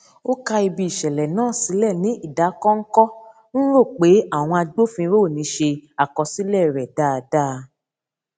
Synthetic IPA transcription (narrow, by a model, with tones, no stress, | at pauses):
o˦ka˧i˧bi˧˨i˨ʃɛ˨lɛ˨nãː˦˨si˨˦lɛ˦˨nĩ˨˦ʔi˦˨da˨˦kɔ̃˦ŋ̩˦kɔ˦ | n̩˦ɾo˦˨k͡pe˨˦a˦˨w̃ɔ̃˧a˧ɡ͡bo˦fĩ˧˦ɾo˦˨nĩ˨˦ʃe˧a˨kɔ˧si˨˦lɛ˦˨ɾɛ˨da˦˧da˦˧